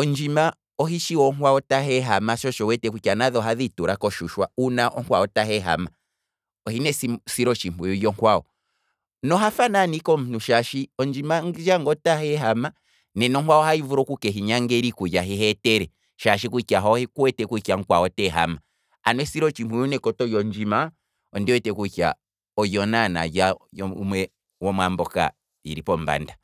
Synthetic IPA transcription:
ɔnd͡ʒima | ɔɦiʃiwɔŋkwaɔtaɦɛɦamaʃɔʃɔwɛtɛkuikanaðɔɦaðituɾakɔʃuʃwaunaʔɔŋkwaɔtahɛɦa̰ma | ɔhinɛsisiɾɔt͡ʃimujɔjɔŋkwaɔ | nɔɦafananikɔm̩nuʃaʃiɔnd͡ʒimaŋd͡ʒaŋɡɔtahɛɦama | nɛnɔŋkwaɔhaivuɾɔkukɛɦiɲaŋɡɛɾikujaɦiɦɛtɛɾɛ | ʃaʃikukaɦɔhɛkuwɛtɛkuikaŋkwaɔtɛɦa̰ma | a̰nwɛsiɾɔt͡ʃimujunɛkɔtɔjɔɲd͡ʒima | ɔndiwɛtɛkuka̰ | ɔjɔnana̰jajɔumwɛ | wɔmwambɔka̰ | iɾipɔmba̰nda

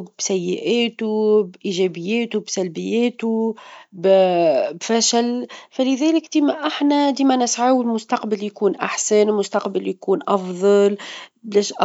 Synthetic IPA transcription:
bsæjːɪʔæːt̪ubʔiːʒɛbɪjːæːt̪ubsælbɪjːæːt̪ubbfæʃælfælɪðæːlɪkd̪iːmæʔaħnæd̪iːmænɪsʕawɪlmʊst̪ɑqbɪljkuːnʔa̰ħsænɪlmʊst̪ɑqbɪljkuːnʔɑfðˤɑlblɛːʃʔɑ

